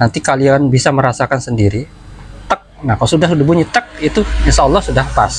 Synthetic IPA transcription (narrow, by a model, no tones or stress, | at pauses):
nant̪ikalianbisaməɾasakansəndiɾi | t̪ək̚nahkalosudaɦudəbuɲət̪ək̚it̪uɲəsaɔlːɑhsudahpas